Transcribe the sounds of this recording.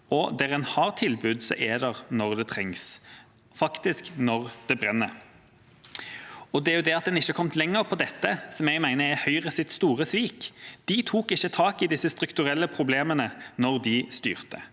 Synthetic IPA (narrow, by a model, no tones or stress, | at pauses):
ɔd̪æʁɛnhɑʁt̪ʰɪlbʉd̪sɔ̰ʔɛd̪əʁnɔʁd̪ɛt̪ʰʁɛŋs | fɑkt̪ɪsknɔʁd̪̥ɛbʁɛnːə | ɔd̪ɛæɾjʊd̪ɛɑt̪̚d̪ɛnɪçːəkʰɔmt̪lɛŋːəʁpʰɔd̪ɛt̪ːəsɔmjɛɡmæɪnəɛhœʏʁəsɪt̪st̪uːʁəsʋiːkd̪̥ɪt̪ʰuːkɪçːət̪ʰɑːkɪd̪ɪsːəst̪ʁʉkt̪ʉʁɛlːəpʰʁʊbleːmənənɔʁd̪ɪst̪y̰ːʁt̪ə̰